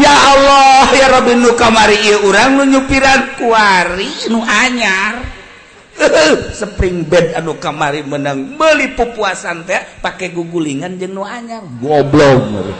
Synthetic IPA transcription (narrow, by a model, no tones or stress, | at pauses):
jaːlɔhjaɾɔbinukamaɾiːjəuɾaŋnuɲupiɾankuaɾinuʔaɲar | əɦəhsəpɾiŋbɛdanukamaɾimənəŋməlipupuasant̪eaʔpakɛɡuɡuliŋand͡ʒɨŋnuaɲarɡɔblɔŋə̰ɾ̰